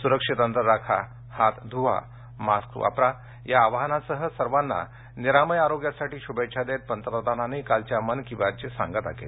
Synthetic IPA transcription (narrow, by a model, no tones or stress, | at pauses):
suɾəkʂit̪ənt̪əɾɾakʰa̰ | hat̪d̪ʱuʋa̰ | maskɾṵʔa̰pɾa | jaːʋaɦnasəɦəsəɾʋanːa̰ | niɾaməjaɾoɡjasaʈiːɕubəjt͡ɕad̪et̪̚pənt̪əpɾəd̪ananejkalt͡ɕjamənkĩʋat͡ɕesã̰ŋɡət̪a̰kḛl